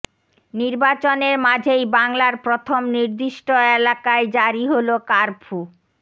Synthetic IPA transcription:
niɾbat͡ɕoneɾmad͡ʑʱejbaŋlaɾpɾot̪ʰomniɾd̪iʃʈoelakaed͡ʑaɾiɦolokaɾbʰʱu

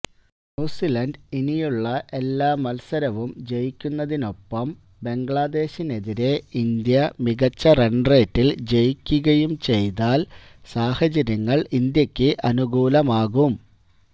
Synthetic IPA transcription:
nuːsilɐnɖinijuɭːɐʔe̞lːaːmːɐlsɐɾɐʋumd͡ʑe̞jikʲːunːɐðino̞pːɐm | be̞ŋɡɭaːd̪e̞ːɕine̞ðiɾe̞ind̪jɐmiɣɐt͡ɕːɐreɳreːtːild͡ʑe̞jikʲːuɣɐjumt͡ɕe̞jt̪aːlsaːhɐt͡ɕɐɾjɐŋːɐɭind̪jɐkʲːɨʔɐnuɡuːlɐmaːɣum

